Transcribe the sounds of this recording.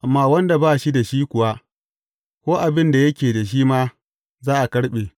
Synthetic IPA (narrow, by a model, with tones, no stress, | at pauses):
ʔa˨mːaː˨wɐ˦nda˨baː˦ʃi˦da˨ʃiː˦kʷʊ˨wa˦ | kʷoː˦ʔa˨bɪ˦nda˨jɐ˦kʲeː˨da˨ʃ̬iː˦maː˦ | zaː˦ʔa˨kɐ˦ɽɓeː˨